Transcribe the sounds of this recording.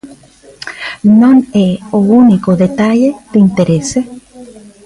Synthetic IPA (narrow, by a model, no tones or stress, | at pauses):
nõneounikoðet̪aʎet̪eint̪eɾese